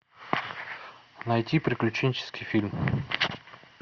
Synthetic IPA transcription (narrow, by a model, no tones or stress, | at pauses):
nɐjtʲipɾʲɪklʲʉt͡ɕenʲt͡ɕɪ̥skʲɪjfʲilʲm